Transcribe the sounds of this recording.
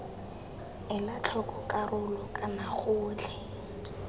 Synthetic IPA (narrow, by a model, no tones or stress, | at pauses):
ɪlat͡ɬʰɔkɔkʼarʊlɔkʼanaχʊːt͡ɬʰɛ